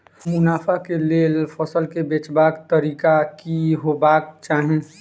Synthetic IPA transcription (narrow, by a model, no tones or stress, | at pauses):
mʊnaːpʰakeleːlpʰəsəlkebet͡ʃbaːkt̪əɾiːkakiɦobaːk̚t͡ʃaːɦẽ